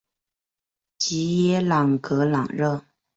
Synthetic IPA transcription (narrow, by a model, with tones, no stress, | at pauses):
t͡ɕi˧˥jɛ˥lɑ˨˩ŋkɤ˧˥lɑ˨˩ŋɻɤ˥˩